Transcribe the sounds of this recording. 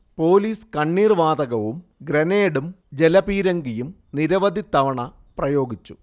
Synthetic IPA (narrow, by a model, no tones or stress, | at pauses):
po̞ːliːskɐɳːiːrʋaːd̪ɐɣɐʋumɡɾɐneːɽumd͡ʑelɐpiːɾɐŋɡijum | niɾɐʋɐd̪ʱit̪ːɐʋɐɳɐ | prɐjo̞ːɡit͡ɕːu̥